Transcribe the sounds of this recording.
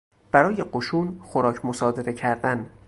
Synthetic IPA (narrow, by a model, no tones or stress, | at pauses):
b̥æɾɒːje̞ɢoʃuːnxoɾɒːcʰmosɒːd̪e̞ɾe̞cʰæɾd̪æn